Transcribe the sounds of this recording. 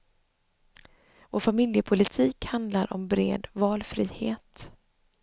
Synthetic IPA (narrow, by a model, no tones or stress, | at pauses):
voːɾfamɪljəpʰʊlɪt̪ʰiːkhand̪laɾʔɔ̰mbɾḛːd̪vɑːlfɾiːheːt̪